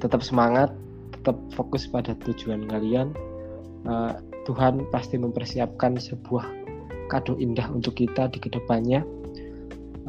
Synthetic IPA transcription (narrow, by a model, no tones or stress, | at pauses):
t̪ət̪əp̚səmaŋat̪ː | ə̥t̪əp̚fokʊspadat̪u̥d͡ʒuankalian | ə | t̪uɦanpast̪iməmpərsiap̚kansəb̥uah | kad̥ʊhindaɦunt̪ʊkːit̪adikədəpanɲa